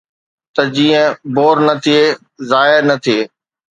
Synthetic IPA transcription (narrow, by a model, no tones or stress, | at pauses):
t̪ɐd͡ʑiːə̃boːɾnɐt̪ʰie | zaːɦɪɾnɐt̪ʰieː